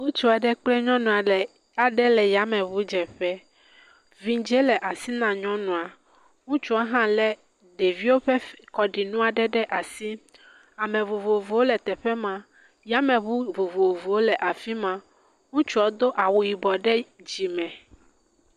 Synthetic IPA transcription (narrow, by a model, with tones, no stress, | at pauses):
wo˦t͡ʃu˦a˨ɖɛ˦k͡plɛ˦ɲɔ̃˦nũ˨a˨lɛ˨ | a˨ɖɛ˦lɛ˨ja˨˦mɛ̃˨βu˨˦d͡ʒɛ˨ɸɛ˦ | vi˦d͡ʒɛ˦lɛ˨ʔa˨si˦nã˨ɲɔ̃˦nũ˨a˨ | ŋũ˦t͡ʃu˦a˦ɦã˦lɛ˦ | ɖe˨vi˦wo˦ɸɛ˦kɔ˨ɖi˨nũ˦a˨ɖɛ˦ɖɛ˦ʔa˨si˦ | a˨mɛ̃˨vo˨vo˨vo˨wo˦lɛ˨t̪ɛ˨ɸɛ˦mã˦ | ja˦mɛ̃˨βu˦vo˨vo˨vo˨wo˦lɛ˨ʔa˨fi˦mã˦ | ŋũ˦t͡ʃu˦ɔ˨˦d̪o˦ʔa˨wo˨ji˨bɔ˨ɖɛ˦d͡ʒi˨mɛ̃˨